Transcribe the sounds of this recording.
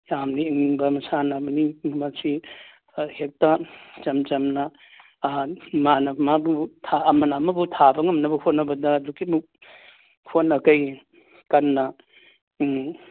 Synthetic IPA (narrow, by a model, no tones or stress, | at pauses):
jamniiŋbɐmɐsanɐbɐnimɐsi | hek̚tat͡ʃɐmt͡ʃɐmnɐ | manɐmabutʰaːmɐnɐːmɐbutʰabɐŋɐmnɐbɐhot̚nɐbɐdɐdukimuk̚ | hotnɐkɐj | kɐnːɐ